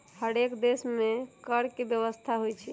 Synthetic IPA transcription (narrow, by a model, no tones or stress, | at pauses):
həɽekd̪esmekəɾkebjəʋəst̪ʰaɦojt͡ʃʰi